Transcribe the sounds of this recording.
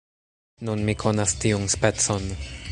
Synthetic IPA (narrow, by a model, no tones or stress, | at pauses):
nunmikʰonastiunspet͡son